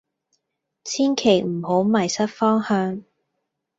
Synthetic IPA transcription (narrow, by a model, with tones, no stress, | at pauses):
t͡sʰiː˥nkʰe˨˩jm̩˨˩ho˨˥wmɐ˨˩jsɐ˥t̚fɔː˥ŋhœː˧ŋ